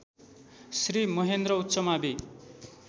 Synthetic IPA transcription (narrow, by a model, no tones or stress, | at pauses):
srimʌɦend̪rʌut̪ːsʌmabi